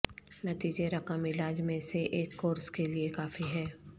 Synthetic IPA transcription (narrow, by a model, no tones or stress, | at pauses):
nɐt̪iːd͡ʒeɾɐkəmɪlaːd͡ʒmẽseʔeːkːoːɾskeliekaːfiɦɛː